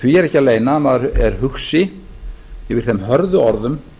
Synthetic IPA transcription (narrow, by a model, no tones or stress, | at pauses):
viɛɾɛhcːaleːjnamaðɾɛɾ̥hʏxsɪ | vɪɾ̥θɛmɦœɾðʏɔɾðʏm